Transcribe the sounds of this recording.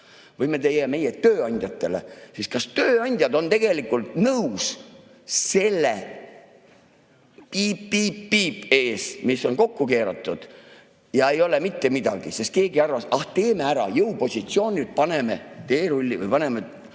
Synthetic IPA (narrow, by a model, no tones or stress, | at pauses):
vɤjme̞t̪e̞jeme̞jet̪øːɑnʲd̪̥ʲjɑt̪ːˑe̞le̞̰siskɑst̪øːɑnʲd̥̪ʲjɑd̪o̞nt̪e̞ɡ̥e̞likːˑult̪nɤwus | se̞lːe | pipːiːpːiːpe̞ːsmisːo̞nko̞kːuke̞ːɾɑt̪ːˑud̪̥ | jɑe̞jo̞lemit̪ːe̞mid̪ɑ̰ɡ̥isest̪̚ke̞ːɡiɑrvɑsɑht̪e̞ːme̞æɾɑ̰jɤwpo̞sʲit̪sio̞ːnʲilt̪̚pɑne̞me̞̰t̪e̞ːɾulʲːivɯ̰jpɑne̞me